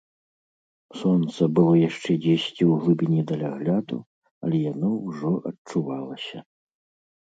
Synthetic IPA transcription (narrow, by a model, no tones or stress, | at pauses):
sɔnt̪sɐbɨlˠɔjaʂt͡ʂɛd͡zʲesʲt͡sʲiwɣlˠɨbʲinʲɛd̪ɐlʲaɣlʲad̪ṵ | ɐ̰lʲɛjanɔwʐɔʔɐt͡ʂuvalˠɐsʲɐ